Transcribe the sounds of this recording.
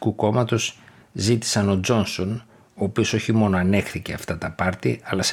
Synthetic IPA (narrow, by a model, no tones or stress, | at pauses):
kuko̞mɐt̪o̞s | zit̪i̥sɐno̞d͡zo̞nso̞n | o̞ːpio̞so̞çimo̞no̞ɐne̞xθice̞ɐft̪ɐt̪ɐpɐɾt̪ḭɐlɐs